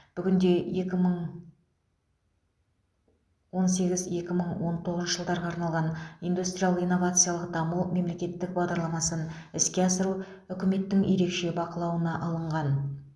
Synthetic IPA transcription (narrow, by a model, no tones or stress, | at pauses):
b̥ʏɡʲɪnd̪e̞je̞kʲɪməɴ | wo̞ns̬e̞ɡʲɪzje̞kʲɪməɴwo̞nt̪ʰo̞ʁəzʃəʒəlˠd̪ɑɾʁɑɑːɾnɑlˠʁɑnijnd̪ust̪ɾʲijalˠijnːo̞vat̪sɨjalˠəqd̪ɑmume̞mle̞kʲe̞t̪ːɪk̚bɑʁd̪ɑɾlˠɑmɑsənɪskʲe̞ɑsəɾu | ʏkʲɪme̞t̪ːɪŋje̞ɾe̞kʃe̞bɑqəlˠɑwənɑʔɑlˠəɴʁɑn